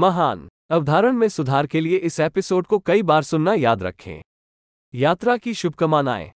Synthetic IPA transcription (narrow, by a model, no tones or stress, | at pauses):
mɐɦaːn | ɐʋd̪ʱaːɾəɽ̃mẽsʊd̪ʱaːɾkelieʔɪseːpɪsoːɖ̚kokɐibaːɾsʊnːajaːd̪ɾɐ̰kʰːḛ̃ː | jaːt̪ɾakiʃʊb̚ʱkɐmaːna̰ːḛː